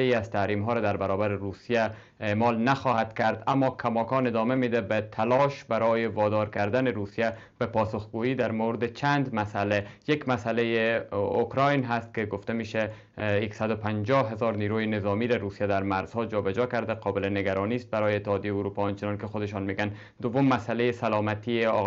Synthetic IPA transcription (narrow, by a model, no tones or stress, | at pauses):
eiazt̪aɾimɦɒːɾad̪aɾbaɾɔbaɾeɾusija | emɒlnaxɒːhad̪kaɾd̪amːɒkʰamɒkɒned̪ɒmemed̪abæt̪ʰalɒʃbaɾɒːjevɒd̪ɒɾkaɾd̪anɪɾusija | b̥æpɒsoxɡoiːd̪aɾmowɾɪd̪et͡ʃʰand̪masalejekmasalejeokɾɑjnɦast̪̚keɡoft̪ameʃa | jeksad̪ʊpand͡ʒɒɦezɒɾniɾojenɪzɒmiɾaɾusijad̪aɾmaɾz̥hɒd͡ʒɒbæd͡ʒɒkaɾd̪aqɒbɪleneɡaɾɔnist̪̚baɾɔjeːt̪ːɪhɒːd̪ijejuɾupɒɔnt͡ʃɪnɒnkexod̪ɪʃɔnmeɡan | d̪ʊvʊmːasalejesalɒmat̪ieɒ̰